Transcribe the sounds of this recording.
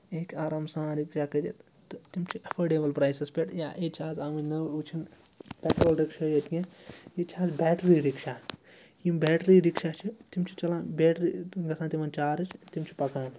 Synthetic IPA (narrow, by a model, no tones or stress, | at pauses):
eːkaːɾaːmsãːɾikʃakɐd͡ʒḛt̪ | t̪imt͡ʃʰiɐfʰeːɖeːbɐlpɾaːjsespeʈja̰ʔet͡ʃʰaːzaːminɐwut͡ʃʰin | pɛʈɾoːlɾikʃɐjɐt̪ijẽit͡ʃʰaːzbɛːʈɾiɾikʃa | jimbɛːʈɾiɾikʃat͡ʃʰit̪imt͡ʃʰi̥t͡ʃɐlãːbɛːʈɾiɡɐsʰãːnt̪imɐnt͡ʃaːɾɨt͡ʃʰt̪imt͡ʃʰi̥pɐkaːn